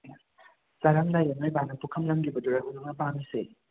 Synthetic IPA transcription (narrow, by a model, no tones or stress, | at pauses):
saɾaŋlajanajbanɐpukʰɐmlɐmɡibɐduɾaɦunuŋnɐpamise